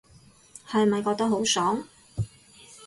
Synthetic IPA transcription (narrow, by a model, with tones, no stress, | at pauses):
hɐ˨jmɐ˨jkɔː˧t̪ɐ˥ɦo˨˥wsɔː˨˥ŋ